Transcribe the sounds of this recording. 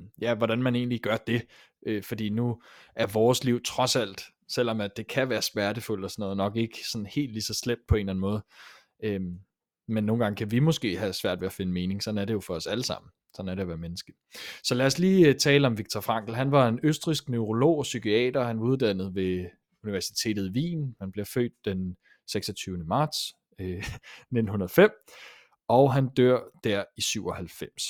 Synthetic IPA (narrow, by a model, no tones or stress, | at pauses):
jæʋɒɾænmæne̝̰ːn̩liɡ̥ɶɐd̥e̝ | ʔøfɒ̽d̥ḭːnuʔæɐʋɒːsliʊt͡sʰʁɒ̽sæl̰d̥ | sel̰ɒ̽mæd̥e̝kʰæʋæːɐsmæɐɾəful̰̥ɒsɒnɔ̽ːðˠnɒ̽ɡ̥e̝ɡ̥əsɒ̽n̩he̝̰ːld̥lisɒ̽sleb̥̚d̥̚pʰɒ̽e̝ːnlæn̩mɔ̽ːð̞̩ˠ | ø | menːo̝ːn̩ɡɑ̈ŋəkʰæʋimɔ̽sɡ̥e̝̰ːɦæsʋæɐ̰d̥ʋe̝æfe̝nəme̝ːne̝ŋsɒ̽næɐɾejo̝fɒ̽ɒ̽sæləsɑ̈m̰n̩ | sɒ̽næɐɾeɒʋæːɐmenəsɡ̥ə̥ | sɒ̽læːɐsliːt͡sʰɛːləɒ̽mʋiɡ̥̚t͡sʰɒfʁɑ̈ŋ̰ɡ̥l̩ɦænʋɑ̈e̝nøsd̥ʁisɡ̥nøʊʁo̝lo̝̰ːɒsykiɛ̰ːd̥ɐhænʋɑ̈uð̞ˠd̥æn̰ð̞̩ˠʋe̝ | uniʋæɐsi̥t͡sʰe̝̰ːd̥ð̩ˠiʋḭːnhænb̥liɐfø̰ːd̥̚ːen | seɡ̥sɒ̽t͡sʰyːʊnəmɑ̈ːd̥s | øne̝d̥n̩hunɐðˠfem̰ | ɒʊɦænd̥øɐ̰d̥æɐ̰isyʊɒ̽hælfem̰s